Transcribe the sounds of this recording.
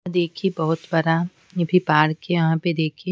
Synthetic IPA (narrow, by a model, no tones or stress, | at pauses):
d̪eːkʰibɐɦʊt̪bɐɾa | jɐbʱipaːɾkeʋɐɦãped̪eːkʰi